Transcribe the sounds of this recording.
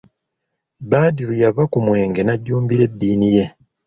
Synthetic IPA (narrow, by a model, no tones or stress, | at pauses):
baːdiɾujaβakumwe̞ːŋɡe̞naɟːuːmbiɾe̞dːiːnije̞